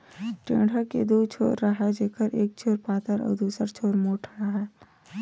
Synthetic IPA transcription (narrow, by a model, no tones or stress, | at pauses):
ʈḛ̃ːɖ̤ʱakḛd̪uːt͡ʃʰo̰ːɾːɐɦad͡ʒeːkʰəɾʔeːk̚t͡ʃʰoːɾpaːt̪əɾɔ̰ːɾd̪uːsəɾt͡ʃʰoːɾmoːʈʰɾɐɦaː